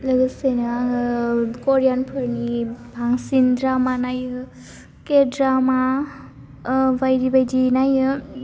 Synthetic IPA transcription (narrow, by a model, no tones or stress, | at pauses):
ləɡɯsejna | kɔɾjanpʰɯɾnibʱaŋsindɾamanajɯ | kedɾama | bajɾibajdinajɯ